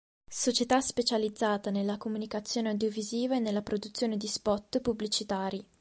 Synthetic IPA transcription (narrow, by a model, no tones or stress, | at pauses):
sot͡ʃet̪aspet͡ʃalid̪zːaːt̪anelːakomunikat̪sːjoːneawd̪joviziːvaenːelːapɾod̪ut̪sːjoːned̪ispɔt̪ːpublit͡ʃit̪aːɾi